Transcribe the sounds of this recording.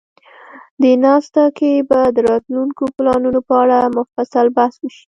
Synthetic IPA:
d̪enɑst̪akebad̪əɾɑt̪luŋkoplɑnunopəaɽamʊfasalbahswəʃi̥

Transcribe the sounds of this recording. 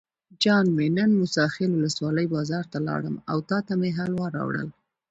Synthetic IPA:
d͡ʒɑnmenənmʊsɑxɪlwʊləswɑləjbɑzɑɾt̪alɑ̰ɽəma̰wt̪ɑt̪ameɦalwɑɾɑ̰wɽə̰l

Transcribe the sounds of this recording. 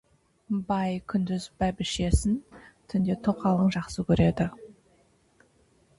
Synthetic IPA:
bɑjkʲʰʏnd̪ɪzbæbɪʃe̞sɪnt̪ʰʏnd̪e̞t̪ʰoqɑlˠəɴʒɑqsəkʲʰɵɾe̞d̪ɪ

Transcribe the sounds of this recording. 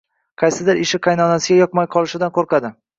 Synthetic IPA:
qʰɑjsɪd̪ɪɾɪʃɪqʰɑjnɒnasɪɡʲajɒq̚majqʰɒlˠɪʃɪd̪anqoɾqɑd̪ɪ

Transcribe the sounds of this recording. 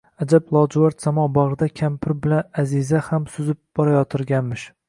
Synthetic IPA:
ad͡ʒablˠɒd͡ʒʊwaɾt̪samɒbɒʁɾɨd̪akʲʰampʰɪɾbɪlanazɪzahamsʊzɪp̚b̥ɒɾajɒt̪ʰɪɾɡʲanmɪʃ

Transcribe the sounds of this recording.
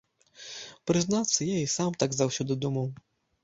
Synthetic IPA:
pɾɨznat̪sːɐjaisamt̪aɡzawsʲɔd̪ɨd̪umɐw

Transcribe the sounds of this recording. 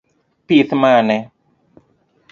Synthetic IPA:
piθmanɛ

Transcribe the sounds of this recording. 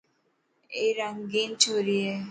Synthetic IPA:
eɾaŋɡint͡ʃʰoɾie

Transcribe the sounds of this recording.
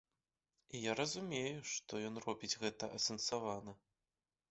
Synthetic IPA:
ijaɾɐzumʲejuʂt̪ɔjɔnrɔbʲid͡zʲɣɛt̪ɐʔɐsɐnsavanɐ

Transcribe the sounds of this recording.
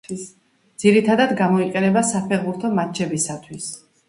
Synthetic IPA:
d̪z̥iɾit̪ʰad̪ad̪ɡamɔiqʼɛnɛbasapʰɛʁbuɾt̪ʰɔmat͡ʃʰɛbisat̪ʰwis

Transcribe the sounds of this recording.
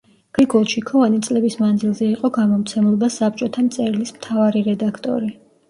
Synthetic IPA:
ɡ̥iɡɔlˠʃikʰɔvanit̪sʼlɛbismand̪zilˠzɛiqʼɔɡamɔmt̪sʰɛmlˠɔbasap̚t͡ʃʼɔt̪ʰamt̪sʼɛɾlismt̪ʰavaɾiɾɛd̪akʰt̪ʼɔ̰ɾi

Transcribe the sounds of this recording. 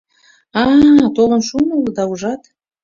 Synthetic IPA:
ɑt̪olə̆nʃumuld̪ɑuʒɑt̪

